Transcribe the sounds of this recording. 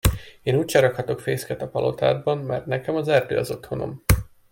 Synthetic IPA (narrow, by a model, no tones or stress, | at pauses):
eːnuːcʃɛɾɒkhɒt̪o̞kfeːskɛt̪ɒpɒlo̞t̪a̰ːd̪̚bɒnmɛrt̪nɛkɛmɒzɛrd̪ø̰ːɒzo̞t̪ho̞no̞̰m